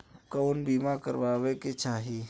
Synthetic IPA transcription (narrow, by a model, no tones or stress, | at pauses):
kəʊnbiːmakə̰ɾʋaːweket͡ʃaːɦi